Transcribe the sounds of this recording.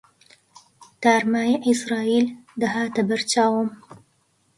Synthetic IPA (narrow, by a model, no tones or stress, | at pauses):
t̪aːɾmaːjiʔisɾaːild̪ɐɦaːt̪ɐbɐɾt͡ʃaːwɨm